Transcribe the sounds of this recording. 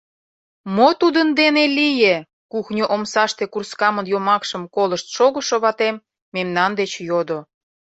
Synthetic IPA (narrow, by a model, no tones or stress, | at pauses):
mot̪ud̪ənd̪enelije | kuxnʲoʔomsɑʃt̪ekurskɑmənjomɑkʃəmkoləʃt̪ʃoɣə̆ʃoβɑt̪emː | emnɑnd̪et͡ɕjod̪o